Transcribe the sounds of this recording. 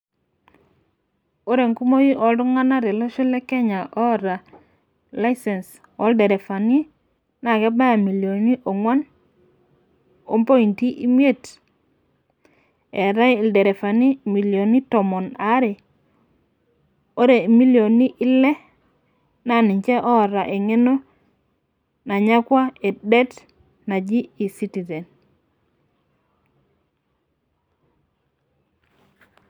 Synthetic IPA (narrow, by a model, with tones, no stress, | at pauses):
o˦ɾe˨ŋku˦mo˦ji˦ʔɔ˨ldu˦ŋa˦na˦ɾe˨lo˦ʃi˦le˦ke˦ɲa˨ʔɔ˦ɾa˨ | la˦ise˨ns | wɔ˦lde˨ɾe˨fa˨ni˦ | na˨ke˦ba˦ja˨mi˨ljo˨ni˦ʔo˨ŋwa˦n | o̰˦mpo˦i˨nti˦ʔi˦m˦e˦˨t | e˨ɾa˦jlde˨ɾe˨fa˨ni˦mi˨ljo˨ni˦tɔ˨mo˨na˦ɾe˨ | o˦ɾe˨mi˦ljo˨ni˦ʔi˦lɛ˦ | na˦˨ni˨ɲt͡ʃɛ˦ʔɔ˦˨ɾa˨ʔe˨ŋe˦no˦ | na˨ɲa˦kwa˦e˨dɛ˦t | na˨d͡ʒi˦i˨si˦ti˨ze˨n